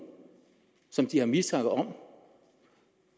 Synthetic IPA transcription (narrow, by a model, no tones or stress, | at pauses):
sɒ̽md̥ihɑ̈mit͡sɑɡ̥ð̩ˠɒ̽m̰